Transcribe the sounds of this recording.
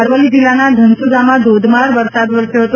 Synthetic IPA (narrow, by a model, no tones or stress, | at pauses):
əɾʋəlid͡ʒilːanad̪ʱənsud̪ʱamãd̪od̪maɾʋəɾsad̪ʋəɾsjoɦət̪o